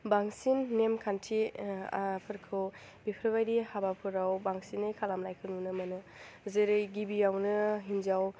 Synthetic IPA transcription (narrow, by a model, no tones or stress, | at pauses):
baŋsinːemkʰantʰḭ | pʰɯɾkʰɯw | bipʰɾbajdihabapʰuɾawbaŋsinɯjkʰalamlajkʰɯnunɯmɐnɯ | zeɾɯjɡibijawnɯɦind͡ʒaw